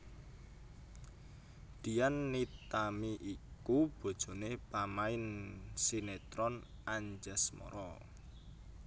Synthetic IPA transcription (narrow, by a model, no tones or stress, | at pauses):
d̪̥i̤janːit̪amiʔikub̥o̤d̥ʒ̥o̤nepamaɪnsinet̪ɾɔn | aɲd͡ʒasmɔ̰ɾɔ